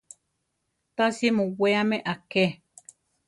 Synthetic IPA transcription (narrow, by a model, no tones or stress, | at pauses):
t̪asimũweamẽʔake